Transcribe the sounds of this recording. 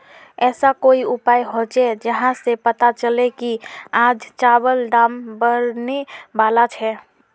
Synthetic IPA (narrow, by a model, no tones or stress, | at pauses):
ɛːsakoiupaːjɦot͡ʃɛd͡ʒəɦãsepət̪at͡ʃəlekiad͡ʒt͡ʃabəlɖambəɾnebaːlat͡ʃʰɛ